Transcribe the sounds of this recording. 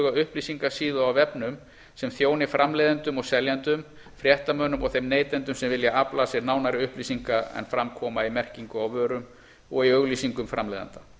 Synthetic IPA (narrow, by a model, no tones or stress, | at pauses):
ɣaʏhplisiŋkḁsiːðʏawvɛpnʏm | sɛmθjoːwnɪfɾʔamleːðant̪ʏmɔɣsɛljant̪ʏm | fɾjɛht̪amœːnʏmɔɣθejmneːjt̪ɛnt̪ʏmsɛmvɪljaaplasjɛɾnaːwnaɾɪʏhplisiŋkaɛ̰nfɾamkʰɔːmaimɛr̥ciŋkʏawvœːɾʏm | ɔɣiœɣliːsiŋkʏmfɾa̰mlɛ̰ːða̰nt̪a